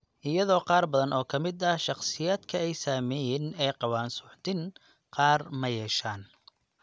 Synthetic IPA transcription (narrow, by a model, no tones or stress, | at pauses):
ʔɪjɐðɔːqɑːrbɐðɐnʔɔːkʰɐmɪd̪ɐʃɑqsɪjaːd̪kʰɐɛjsaːmɛːjɛnɛjqɑwaːnsʊħt̪ɪn | qɑːrmɐjɛːʃaːn